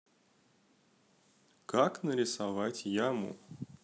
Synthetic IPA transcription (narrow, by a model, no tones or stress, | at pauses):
kaknəɾʲɪsavatʲjamʊ̰